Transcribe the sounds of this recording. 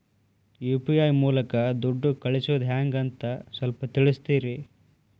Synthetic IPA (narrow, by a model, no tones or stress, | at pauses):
juːpijaːjmuːlɐkɐd̪uɖːukɐɭisuːd̪ɦaːŋɡɐnt̪ɐsʋɐlpɐt̪iɭust̪iːɾi